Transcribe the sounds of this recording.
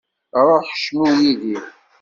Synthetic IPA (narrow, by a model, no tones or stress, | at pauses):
ɾˤoħʃmuwiði